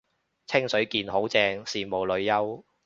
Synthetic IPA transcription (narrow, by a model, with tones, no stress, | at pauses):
t͡sʰɪ˥ŋsɵ˨˥ɥkiː˧nho˨˥wt͡sɛː˧ŋsiː˨˧mo˨˩wlɵ˨˧ɥjɐ˥w